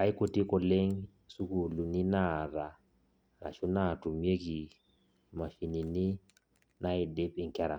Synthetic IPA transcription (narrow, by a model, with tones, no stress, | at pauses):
a˨˦i˦ko˨ti˦kɔ˨le˦ŋ | su˦ku˨lu˨nɪ˦na˦˨ɾa˨ | ɾa̰˨ʃɔ˦na˦˨tu˨mje˦ki˨ | ma˨ʃi˨ni˨nɪ˦ | na˦ɪ˨de˦pɪ˨ŋ̩˦ka˦ɾa̰˨